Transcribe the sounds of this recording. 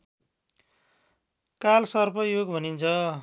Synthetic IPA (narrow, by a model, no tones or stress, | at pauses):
kalsʌrpʌjoɡbʱʌnint͡sʰʌ